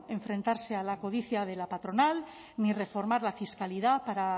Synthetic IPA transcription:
e̞ɱfɾe̞nt̪aɾse̞alako̞ð̞iθjað̞e̞lapat̪ɾo̞nal | nire̞fo̞ɾmaɾlafiskalið̞apaɾa

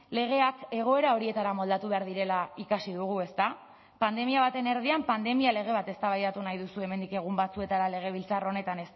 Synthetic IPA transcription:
le̞ɣ̞e̞ake̞ɣ̞o̞e̞ɾao̞ɾie̞t̪aɾamo̞ld̪at̪uβe̞aɾðiɾe̞laikasiðuɣ̞ue̞st̪a | pand̪e̞miaβ̞at̪e̞ne̞ɾð̞iampand̪e̞miale̞ɣ̞e̞β̞at̪e̞st̪aβajðat̪unajðusue̞me̞nd̪ike̞ɣ̞umbat͡sue̞t̪aɾale̞ɣ̞e̞β̞ilt͡saro̞ne̞t̪ane̞s

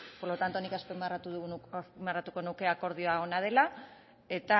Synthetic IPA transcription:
poɾlo̞t̪ant̪o̞nikaspemrat̪uðumarat̪uko̞nuke̞ako̞ɾð̞io̞ao̞nað̞e̞la | e̞t̪a

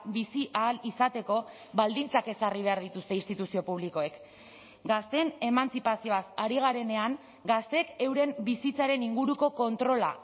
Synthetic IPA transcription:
bisiʔaːlisat̪e̞ko̞ | βald̪int͡sake̞sariβe̞aɾðit̪ust̪e̞inst̪it̪usio̞puβ̞liko̞e̞k | ɡast̪e̞ne̞mant͡sipasio̞asaɾiɣ̞aɾe̞ne̞aŋ | ɡast̪e̞ke̞wɾe̞mbisit͡saɾe̞niŋɡuɾuko̞ko̞nt̪ɾo̞la̰

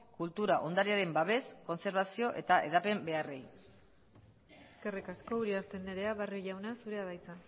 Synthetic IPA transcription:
kult̪uɾaʔo̞nd̪aɾiaɾe̞mbaβe̞sko̞nse̞ɾβasio̞ʔe̞t̪aʔe̞̰ðape̞mbe̞are̞j | eske̞rikasko̞uɾiaɾt̪e̞nːeɾe̞aβarjoʝawnasuɾe̞aðajt͡sa

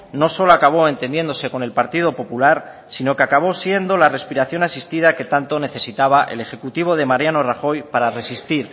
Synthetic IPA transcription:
no̞so̞loakaβ̞o̞e̞nt̪e̞nje̞nd̪o̞se̞ko̞ne̞lpaɾt̪ið̞o̞po̞pulaɾ | sino̞keakaβ̞o̞sje̞nd̪o̞lare̞spiɾaθjo̞nasist̪ið̞ake̞t̪ant̪o̞ne̞θe̞sit̪aβaʔele̞xe̞kut̪iβ̞o̞ð̞e̞maɾjano̞raxo̞jpaɾare̞sist̪iɾ

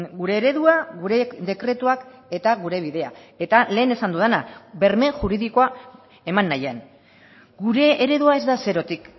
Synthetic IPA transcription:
ɡuɾe̞ːɾe̞ðuaɣuɾe̞d̪e̞kɾe̞t̪uake̞t̪aɣuɾe̞βiðe̞a̰e̞t̪ale̞ːne̞sand̪uðenaβe̞ɾme̞ʝuɾiðiko̞a | e̞manːajean | ɡuɾe̞ːɾe̞ðuae̞zd̪ase̞ɾo̞t̪ik

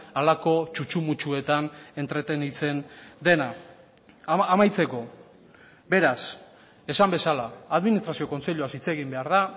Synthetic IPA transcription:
alako̞t͡ʃut͡ʃumut͡ʃue̞t̪ane̞nt̪ɾe̞t̪e̞nit͡se̞nd̪e̞na | majt͡se̞ko̞ | be̞ɾas | e̞sambe̞salaːðminist̪ɾasio̞ko̞nt͡se̞ʎuasit͡se̞ɣimbe̞aɾða

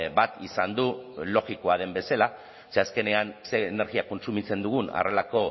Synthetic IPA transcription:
bat̪isand̪ulo̞ɣiko̞að̞e̞mbe̞sela | seaske̞ne̞anse̞ːne̞ɾɣiako̞nsumit͡se̞nd̪uɣ̞una̰re̞lako̞

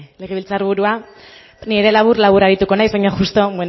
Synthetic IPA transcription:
le̞ɣ̞e̞βilt͡saɾβuɾua | niɾe̞laβuɾlaβuɾaɾit̪uko̞najzβajɲaxust̪o̞men

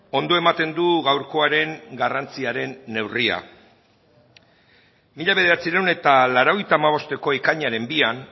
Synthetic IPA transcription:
o̞nd̪o̞emat̪e̞nd̪uɣawɾko̞aɾe̞ŋɡarant͡siaɾe̞nːe̞wria̰ | miʎaβe̞ð̞e̞ɾat͡siɾawne̞t̪alaɾoɣjt̪aːmaβ̞o̞st̪e̞ko̞ikaɲaɾe̞mbian

